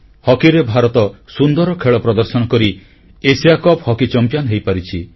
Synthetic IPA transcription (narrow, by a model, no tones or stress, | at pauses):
hɔkiɾebʱaɾɔt̪ɔsund̪ɔɾɔkʰeɭɔpɾɔd̪ɔɾsɔnɔkɔɾi | esijakɔphɔkit͡ʃɔmpjanɦejpaɾit͡ʃʰi